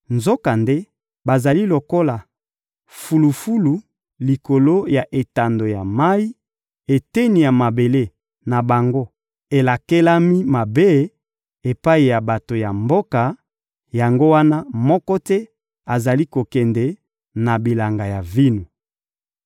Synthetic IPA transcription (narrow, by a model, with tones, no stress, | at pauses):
nzo˦ka˨nde˦ | ba˨za˨li˦lo˨ko˦la˨ | fu˨lu˨fu˦lu˨ | li˨ko˨lo˦ja˨ʔe˨ta˨ndo˨ja˨ma˦i˦ | e˨te˦ni˨ja˨ma˨be˨le˦ | na˨ba˨ŋɡo˦ | e˨la˨ke˦la˦mi˦ma˨be˦ | e˨pa˦i˨ja˨ba˨to˨ja˨mbo˦ka˨ | ja˨ŋɡo˦wa˦na˦mɔ˦kɔ˦tɛ˦ | a˨za˨li˦ko˨kɛ˨ndɛ˨ | na˨bi˨la˨ŋɡa˨ja˨vi˦nu˨